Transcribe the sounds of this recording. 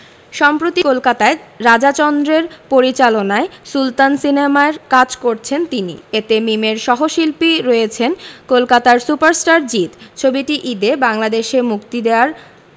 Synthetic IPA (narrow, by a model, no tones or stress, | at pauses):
ʃɔmpɾot̪ikolkat̪aeɾad͡ʑat͡ɕɔnd̪ɾeɾpoɾit͡ɕalonaesult̪ansinemaeɾkad͡ʑkoɾt͡ɕʰent̪inḭet̪emimeɾʃɔɦoʃilpiɾoet͡ɕʰenkolkat̪aɾsupaɾsʈaɾd͡ʑit̪t͡ɕʰobiʈiʔid̪ebaŋlad̪eʃemukt̪id̪eoaɾ